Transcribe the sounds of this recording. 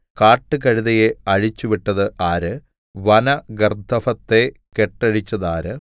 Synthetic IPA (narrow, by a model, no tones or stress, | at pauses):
kaːʈːɨkɐɻiðɐjeɐɻit͡ɕːuʋiʈːɐðɨʔaːɾɨ | ʋɐnɐɡɐrd̪ʱɐfɐt̪ːe̞keʈːɐɻit͡ɕːɐðaːɾɨ